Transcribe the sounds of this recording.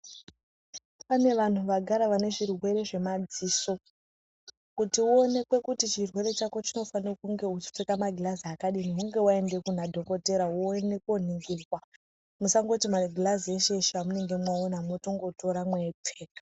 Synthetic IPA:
pane̞ʋan̤uʋaɡʱaɾaʋane̞ʐirwe̞ɾe̞ʐe̞mad͡ziːso̞ | kutiuo̞ne̞kwe̞kutit͡ʃirwe̞ɾe̞t͡ʃako̞t͡ʃino̞fanirokuŋɡe̞ut͡ʃi̥p͡fekamaɡʱilaziakaɗiniuŋɡe̞wae̞nde̞kun̤adʱo̞ko̞te̞ɾaune̞koniŋɡirwa | musaŋɡo̞timaɡʱilazieʃe̞ʃamune̞ŋɡe̞mwaonamoto̞ŋɡo̞to̞ɾamwetʰeːkḁ

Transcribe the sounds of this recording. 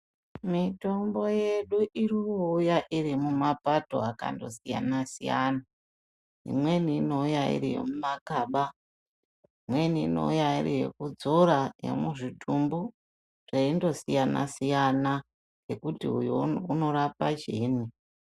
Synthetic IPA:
mito̞mbo̞je̞ɗuʔirioujaʔirimumapato̞̰aka̰ndo̞̰sija̰nasijana | ɦḭmwe̞niːno̞ujaḭrijo̰mumakaːɓa | imwe̞niːno̞̰ujairijḛkud͡zoɾajḛmuʐitʰumbu | ʐ̥eindo̞sijana̰sijana | jekutḭujouno̞ɾapad͡ʒeːni

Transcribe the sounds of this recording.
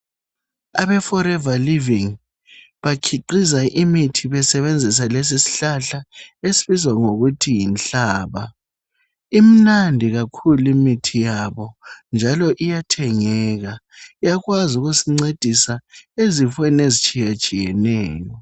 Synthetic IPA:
aβɛfɔɾɛvaliviŋ | βakʰiǃizaʔimitʰiβɛsɛβend͡zʱis̬alɛs̬isi̥ɬaɬaesi̥βizwaŋoɣutʰijinɬaːβa̰ | im̩nandʱiɣakʰulimitʰijaβɔnd͡ʒʱalɔʔijatʰɛŋɛːɣa | ijaɣwazuɣusiŋ͡ǀed̥ʱisaezifwɛnezit͡ʃʼijat͡ʃʼijɛnɛːjɔ

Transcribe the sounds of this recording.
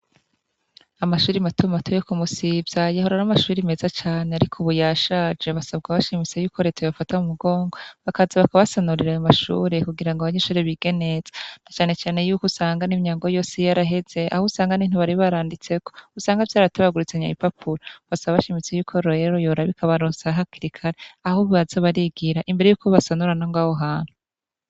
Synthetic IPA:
amaʃuːɾimatumatʰojokumusibzajaɦoɾaɾamaʃuːɾime̞zat͡ʃaːneaɾikʰoβujaːʃad͡ʒeβasab̚ɡaβaʃimit͡sejuːkʰo̞ɾe̞ːtʰojafatamumuɡo̞ːŋɡo̞βakazaβakaβasanuɾiɾajomaʃṵːɾekuɡiɾaŋɡoaβaɲe̞ːʃuːɾeβiɡ̥e̞ne̞z̥ḁnat͡ʃaːne̞t͡ʃaːnejuːkusaːŋɡanimɲaːŋɡo̞jo̞ːsejaɾaɦe̞z̥e̞ʔa̰husaːŋɡanin̥huβaɾiβaɾaːndit͡se̞ko̞̥usaːŋɡavjaːɾataβaɡuɾit͡seɲaipapʰuɾoβasaβaβaʃimit͡se̞juːkʰo̞ɾoeɾojoːɾaβikʰaβaɾoːsaɦakiɾikʰaɾeahoββazaβaɾiɡiɾaʔimbeɾe̞juːkoβasanuɾanoŋɡaːhoɦaːn̥hu

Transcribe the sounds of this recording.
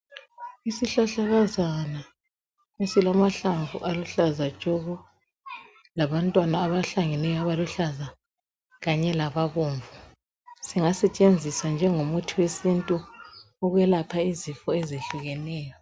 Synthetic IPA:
isiɬaɬaɣazana | esilamaɬaɱvṵʔaluɬazḁt͡ʃʼoɣu | laβantʼwanaːβaɬaŋɛnɛjɔaβaluɬaza | ɣaɲɛlaβaɣoːɱvu | siŋasɛt͡ʃʼend͡zʱisand͡ʒʱɛŋomutʰiwesintʼu | ɔɣwɛlapʰaizifɔɛzeɬuɣɛnɛːjɔ

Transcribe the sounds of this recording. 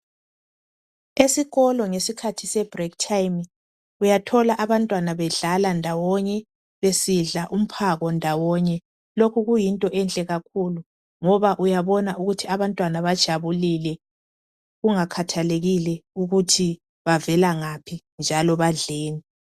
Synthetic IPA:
esiɣɔlɔŋesikʰatʰisɛb̥rɛktʰajm | ujatʰɔlaʔaβantʼwanaβɛɮalandʱawɔɲɛ | βesiɮaʔum̩pʰaɣɔndʱawɔɲɛ | lokʰuɣujintʼɔʔɛnt͡ɬʼɛɣak̚ʰulu | ŋɔβaʔujaβɔnauɣutʰiaβantʼwanaβad̥ʒ̥ʱaβulilɛ | ɣuŋakʰatʰaleɣilɛuɣutʰi | βavɛlaŋapʰi | nd͡ʒʱalɔβaɮeːni

